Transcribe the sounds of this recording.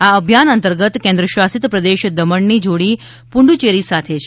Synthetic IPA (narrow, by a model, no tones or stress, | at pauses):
aəbʱjanənt̪əɾɡət̪kẽnd̪ɾəʃʋasit̪pɾəd̪eʃd̪əməɳnid͡ʒoɽi | puɳɖut͡ʃeɾisat̪ʰet͡ʃʰ